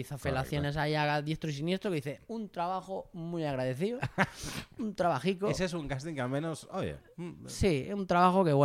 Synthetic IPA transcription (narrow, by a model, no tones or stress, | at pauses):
θafelaθjo̞ne̞sajaɣaðje̞st̪ɾoisinje̞st̪ɾokeðiθeunt̪ɾaβaxomujaɣɾaðeθio | unt̪ɾaβaxikoes̬esuŋkast̪iŋkealmẽnosojḛ | sḭunt̪ɾaβaxokeɣwe